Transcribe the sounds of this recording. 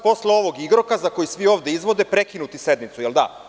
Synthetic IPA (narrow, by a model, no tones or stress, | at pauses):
po̞sleo̞ʋo̞ɡiɡɾokazako̞jisʋio̞ːʋd̪eizʋo̞d̪e̞pɾe̞kinut̪ise̞d̪mit̪sujeld̪a̰